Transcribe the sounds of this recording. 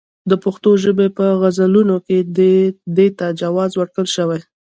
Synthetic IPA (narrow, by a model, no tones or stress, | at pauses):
d̪əpʊxt̪oʒəbepəɣazalunoke | d̪et̪ad͡ʒawɑzwəɽkəlʃəwaj